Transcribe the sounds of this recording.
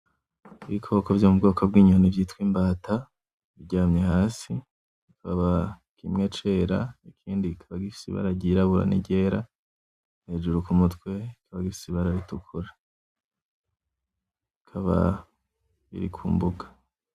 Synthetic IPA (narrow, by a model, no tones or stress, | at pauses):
iβikʰokovjo̞ːmubɡo̞ːkʰobɡiːɲuhonivjiːtkwiːmbaːta | iβɟaːmɲe̞haːsi | ikaβa | kimŋet͡ʃe̞ːɾa̰ikʰiːndikʰaβaɡifi̥sḭβa̰ɾaɟiɾaβuɾa̰nḭɟe̞ːɾa | nhe̞ːd͡ʒuɾukumutkwe̞ikʰaβaɡifi̥siβaɾaɾitukʰuɾe | ikʰaβa̰ | βḭɾḭkʰṵːmbuɡḁ